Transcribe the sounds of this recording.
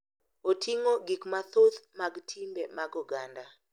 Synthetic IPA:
otʰiŋoɡikmat̪ot̪maɡtʰimbemaɡɔɡanda

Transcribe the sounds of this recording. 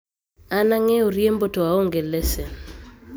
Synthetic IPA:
anaŋɛoɾjembotoaoŋɡelɛse

